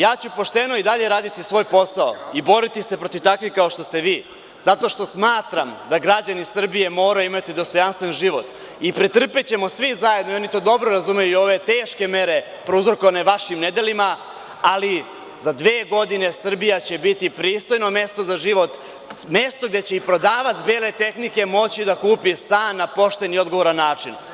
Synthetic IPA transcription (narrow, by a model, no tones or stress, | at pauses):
jaːt͡ɕupo̞ʃt̪e̞no̞id̪aʎe̞ɾaːd̪it̪isʋo̞ːjpo̞saoibo̞ɾit̪ise̞pɾo̞t̪iʋt̪akʋikao̞ʃt̪o̞st̪e̞ʋiː | zat̪o̞ʃt̪o̞smaːt̪ɾamd̪aɡɾad͡ʑanisr̩bije̞mo̞ːɾaimat̪id̪o̞st̪o̞janst̪ʋenʒiʋo̞t̪ | ipɾit̪r̩pet͡ɕe̞mo̞sʋizaje̞d̪noio̞nit̪o̞ːd̪o̞bɾoɾazumejuio̞ʋe̞t̪eːʃke̞me̞ɾe̞ | pɾouzɾokoʋane̞ʋaʃimne̞d̪e̞lima | ali | zad̪ʋeːɡo̞d̪ine̞sr̩bijat͡ɕe̞bit̪ipɾiːst̪o̞jno̞me̞st̪o̞zaʒiʋo̞t̪ | me̞st̪o̞ɡd̪e̞t͡ɕe̞ipɾo̞d̪aːʋat̪beːle̞t̪e̞xnike̞mo̞t͡ɕid̪akuːpist̪aːnːapo̞ʃt̪e̞nio̞d̪ɡoo̞ɾanːaːt͡ʂin